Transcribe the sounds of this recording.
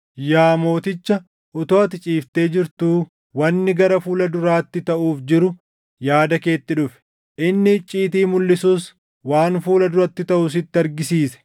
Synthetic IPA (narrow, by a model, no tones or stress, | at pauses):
jaːmo̞ːt̪ɪt͡ʃːɐ | ʔʊt̪oɐt̪ɪt͡ʃʼiːft̪e̞ːd͡ʒɪɾt̪uː | wɐnːɪɡɐɾɐfuːlɐd̪ʊɾaːt̪ːɪt̪ɐʔuːfd͡ʒɪɾʊ | jaːd̪ɐke̞ːt̪ːɪᶑʊfɛ̥ | ʔɪnːɪt͡ʃʼːiːt̪̬iːmʊlːɪsuːs | waːnfuːlɐd̪ʊɾɐt̪ːɪt̪ɐʔʊs̬ɪt̪ːɪɐɾɡɪsiːsɛ̥